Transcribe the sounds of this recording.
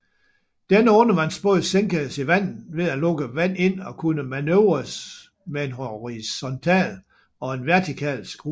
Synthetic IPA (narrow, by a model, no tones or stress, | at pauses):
d̥enəɔ̽nəʋɑ̈ensb̥ɔðˠseŋɡ̥əsiʋæn̰n̩ʋe̝ðˠælɔ̽ɡ̥əʋæn̰e̝n̰ɒ̽kʰunəmænøʊʁɐs | mee̝nɦoʁisɒnt͡sʰɛ̰ːl | ɒ̽e̝nʋæɐt͡sʰikʰɛ̰ːlsɡ̥ʁu